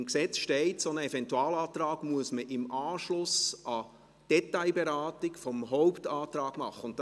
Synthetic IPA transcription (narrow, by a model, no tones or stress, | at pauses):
mksɛt͡sʃtɛɪtsonəɛfɛntuɑːlɑːt̪rɑːɡmuəsməʔɪmɑːʃlʊsʔɑ | d̥ɛtaɪbɛɾɑːtɪkfɔmɦɔʊptɑːtɾɑːɡ̥mɑχːəʊntt